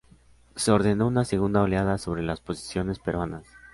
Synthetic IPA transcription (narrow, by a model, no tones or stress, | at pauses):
se̞o̞ɾðe̞no̞unase̞ɣund̪aoljaðaso̞βɾe̞laspo̞si̥sjo̞ne̞spe̞ɾwanas